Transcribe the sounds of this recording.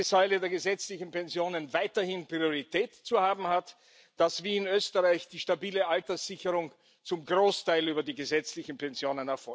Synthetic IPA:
ɪsaɪlədeːɐɡəzɛt͡slɪçn̩pɛnzjoːnənvaɪtɐhɪnpʁ̥ioʁitɛːtt͡suhaːbm̩hat | d̥asv̥iːɪnøːstəʁaɪçd̥iːʃtabiːləʔaltɐsz̥ɪçəʁʊŋ | t͡sʊmɡʁoːstʰaɪlyːbɐdiːɡəzɛt͡slɪçn̩pʰɛnzjoːnənɛɐfɔ

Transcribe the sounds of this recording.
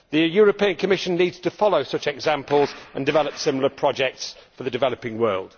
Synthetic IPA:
ðəjɔːɹəpiə̃nkʰəmɪʃə̃nːiːdz̥tʰəfɒloʊsʊt͡ʃɛɡzãmpəlˠzə̃ndɪvɛləpsɪ̃ml̩ˠəpʰɹ̥ɒd͡ʒɛk̚tsfəðədɪvɛləpɪ̃ŋwɜːlˠd̥

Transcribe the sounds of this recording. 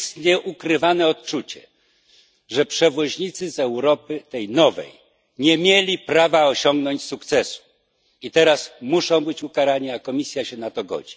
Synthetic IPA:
st̪ɲɛʔukɾɘvanɛɔt̪t͡ʂut͡ɕɛ̰ | ʐɛpʂɛvɔʑɲit̪sɘzɛwɾɔpɘt̪ɛjnɔvɛ̰j | ɲɛmʲjelʲipɾavaɔɕɔŋɡnɔɲt͡ɕsukt̪sɛsu̥ | it̪ɛɾasmuʂɔ̃w̃bɘt͡ɕukaɾaɲiakɔmʲisʲjaɕɛnat̪ɔɡɔ̰d͡ʑi

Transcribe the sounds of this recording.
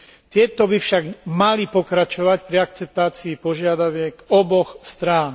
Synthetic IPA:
t̪ɪɛt̪ɔbifʃaɡmalipɔkɾat͡ʃɔʋacpɾiakt͡sɛp̚t̪aːt͡siːpɔʒɪad̪aʋɪɛɡɔbɔxst̪ɾaːn

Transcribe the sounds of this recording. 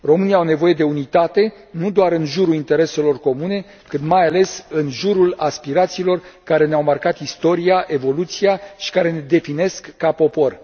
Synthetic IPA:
ro̞mɨnijaawne̞vo̞je̞d̪e̞unit̪at̪e̞ | nud̪oaɾɨnʒuɾuint̪e̞ɾe̞se̞lo̞rko̞mune̞ | kɨnt̪majale̞sɨnʒuɾulaspiɾat̪siːlo̞rkaɾe̞neawmarkat̪ist̪o̞ɾiaʔe̞vo̞lut̪siaʃi̥kaɾe̞ned̪e̞fine̞skːapo̞po̞r

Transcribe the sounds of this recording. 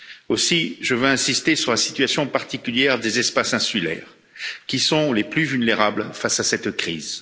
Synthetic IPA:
osiʒəvøɛ̃sist̪esyʁlasi̥t̪ɥasjɔ̃paʁt̪ikʲyljɛʁd̪ezɛspasɛ̃sylɛ̰ːʁ | kʲisɔ̃leplyvylneʁablfasasɛt̪kχiːz

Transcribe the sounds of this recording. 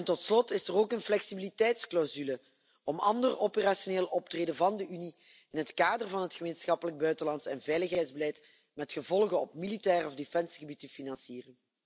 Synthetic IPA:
ɛntɔtslɔtɪsəroːkənflɛksibilitɛjtsklawzylə | ɔmɑ̰ndəropərasioneːlˠɔptreːdəvɑndəyni | ɪnɦətkaːdərvɑnɦətxəmeːnsxɑpələɡ̚bœɥtəlɑntsɛnvɛjləxɦɛjdzbəlɛjt | mɛtxəvɔlˠɣənɔp̚militɛːrɔvdefɛnsɣəbitəfinɑnsiːrən

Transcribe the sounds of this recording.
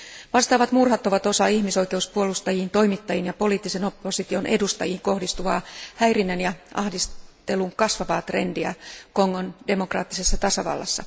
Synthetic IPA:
ʋɑst̪ɑːʋɑt̪murhɑt̪ːo̞ʋɑt̪o̞sɑiçmiso̞ijke̞uspuolust̪ɑjiːnt̪o̞imit̪ːɑjinjɑpo̞liːt̪ːiseno̞pːosit̪io̞nʔe̞̰dust̪ɑ̰jiːŋko̞hdist̪uʋɑːhæjrinːenjɑʔɑhdist̪e̞luŋkɑsʋɑʋɑːt̪re̞̰ndiæ̰koŋːonde̞mokrɑ̰ːt̪ːise̞sːɑt̪ɑsɑʋɑ̰lːɑ̰sːɑ

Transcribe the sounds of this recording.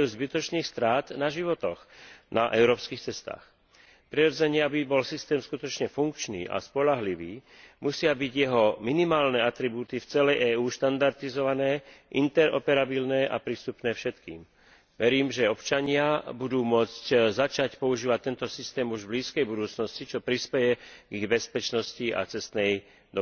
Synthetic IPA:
juzbit̪ɔt͡ʃniːxst̪ɾaːt̪naʒiʋɔt̪ɔxnʔaʔɛʊɾɔːpskiːxt͡sɛst̪a̰ːx | pɾiɾɔd͡zɛɲɪɛabibɔlsist̪ɛːmskut̪ɔt͡ʃɲɛfuŋk̚t͡ʃnḭːʔa̰spɔʎaɦliʋiː | musɪabiɟjɛɦɔminimaːlnɛːat̪ɾibuːt̪ift͡sɛlɛjʔɛːuːʃt̪and̪aɾt̪izɔʋanɛːʔḭnt̪ɛɾɔ̰pɛɾabilnɛːʔa̰pɾiːst̪upnɛːfʃɛt̪kiːm | ʋɛɾiːmʒɛɔpt͡ʃaɲɪabud̪uːmʊɔt͡sczat͡ʃacpɔuʒiːʋac̚t̪ːɛnt̪ɔsist̪ɛːmuʒbliːskɛjbud̪uːt͡snɔscit͡ʃɔpɾispɛjɛɡiɣbɛspɛt͡ʃnɔscia̰t͡sɛst̪nɛj | d̪ɔ

